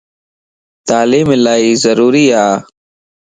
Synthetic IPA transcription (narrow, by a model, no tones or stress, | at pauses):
t̪aːliːmelaːiːzəɾuːɾiːaː